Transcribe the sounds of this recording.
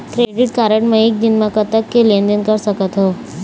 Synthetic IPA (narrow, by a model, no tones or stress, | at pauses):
kɾeɖɪʈ̚kaɾəʈmẽek̚d̪ɪnmãkət̪əkːelẽnd̪ənkəɾsəkət̪ɦoː